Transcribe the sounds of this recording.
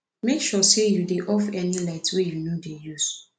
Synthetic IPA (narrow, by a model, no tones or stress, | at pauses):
mekʃɔsejudeʔɔfɛnilaɪtwejunodejus